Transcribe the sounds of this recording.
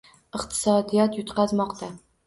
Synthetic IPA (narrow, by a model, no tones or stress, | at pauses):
ɨqt̪ʰɨ̥sɒd̪ijɒt̪jʊt̪qɑzmɒqt̪ʰa